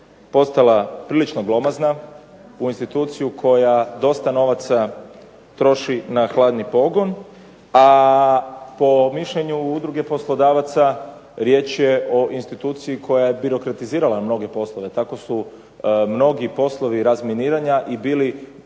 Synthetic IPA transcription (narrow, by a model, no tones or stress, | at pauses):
po̞st̪alapɾiːlit͡ʃno̞ɡlˠo̞mazna | uinst̪it̪uːt̪sijukʰo̞jad̪o̞st̪ano̞ʋat̪sa | t̪ɾo̞ʃinaxlˠaːd̪nipo̞ɡo̞n | a | po̞miʃʎeɲuud̪ɾuɡe̞po̞slˠod̪aːʋat̪saɾje̞t͡ʃje̞ʔo̞ʔinst̪it̪uːt̪siikʰo̞jaje̞biɾo̞kɾat̪iziːɾalamno̞ɡe̞po̞slˠo̞ʋe̞t̪ako̞su | mno̞ɡipo̞slˠo̞ʋiɾazminiːɾaɲaʔibiːli